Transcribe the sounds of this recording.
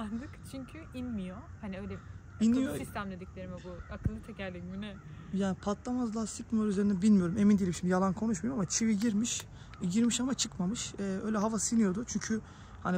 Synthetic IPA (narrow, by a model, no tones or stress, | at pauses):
aɾd̪ɯkt͡ʃʰyɲcʰyinmijohaniølʲɛ | inijosist̪ʰæmd̪ed̪icʲlʲe̞ɾimibuakʰɯlˠːɯt̪ʰɛcæɾlʲiminɛ | jaːnipʰat̪lˠamazlˠaːsʰɯcmiɾyze̞ɾinɛbilʲmijo̞ɾume̞mind̪ilʲimʃimjalˠankʰo̞nuʃmujoamat͡ʃʰiviɟiɾmiʃ | ɟiɾmiʃamat͡ʃʰɯkmamɯʃɛːʔøjlʲɛɦavasɯnijo̞d̪ʊt͡ʃʰyɲcʰy | ha̰ni